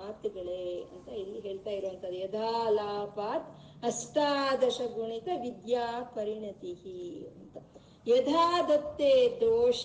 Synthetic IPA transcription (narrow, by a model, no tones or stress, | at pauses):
aːt̪uɡɐɭeːɐ̰nt̪ɐilːiɦeːɭt̪aːjiɾuʋɐnt̪ɐd̪ːujɐd̪ʱaːlaːpaːt̪ | ɐst̪aːd̪ɐʃɐɡuɳik̪ɐʋid̪jaːpɐɾiɳɐt̪ihiɐnt̪ɐ | jɐd̪ʱaːd̪ɐt̪ːeːd̪oːʂ